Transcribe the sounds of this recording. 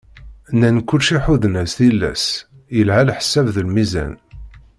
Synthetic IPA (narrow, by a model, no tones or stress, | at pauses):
nænkʷːʊlʃiħuðnæsθilːæ̰s | jəlɦælħsːævðəlmizæ̰n